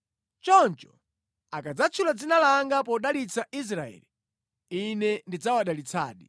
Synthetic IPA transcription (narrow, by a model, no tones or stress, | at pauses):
t͡ʃɔnt͡ʃɔ̥ | akad͡zat͡ʃʰulad͡zinalaŋɡapɔɗalit͡sais̬ɾaɛ̰ːli | inɛndid͡zawaɗalit͡sa̰ːɗi